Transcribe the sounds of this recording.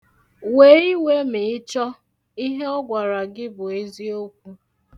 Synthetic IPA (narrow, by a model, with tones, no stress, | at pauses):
we˨˦i˦we˦mɪ˨ɪ˦t͡ʃɔ˦ | i˦ɦe˦ɔ˦ɡʷa˨ɾa˨ɡɪ˦bʊ˨e˦zi˦o˦kʷu˦